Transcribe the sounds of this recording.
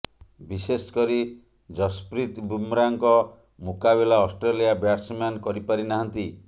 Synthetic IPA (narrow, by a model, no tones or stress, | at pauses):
biseskɔɾi | d͡ʒɔspɾit̪bumɾaŋkɔ | mukabilaɔsʈɾelijabjaɾsmankɔɾipaɾinaɦɔnt̪i